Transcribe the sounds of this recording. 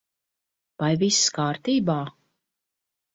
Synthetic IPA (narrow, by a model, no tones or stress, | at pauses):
pajvisskaːɾt̪iːbaː